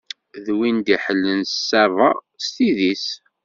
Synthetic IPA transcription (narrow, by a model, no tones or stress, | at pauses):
ðwind̪iħəlːənssːæɾˤɑ | st̪iðis